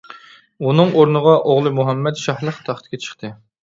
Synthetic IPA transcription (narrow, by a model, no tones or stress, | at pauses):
unɨŋoɾnəʁɑʔoʁlˠɨmuɦɛmːɛt̪ʃɑhlˠəχt̪ʰɑχʰt̪̚kʲet͡ʃʰə̥χt̪ʰɨ